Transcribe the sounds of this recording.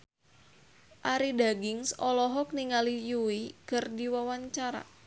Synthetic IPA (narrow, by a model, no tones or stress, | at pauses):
ʔaɾidaɡɪŋsɔlɔɦɔk̚niŋalijuikərdiwawaɲt͡ʃaɾa̰